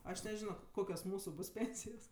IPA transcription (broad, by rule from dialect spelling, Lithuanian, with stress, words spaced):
ɐʃ nʲɛˈʒʲɪnoː ˈkoːkʲoːs ˈmuːsʊ ˈbʊs ˈpʲeːnʲsʲɪjoːs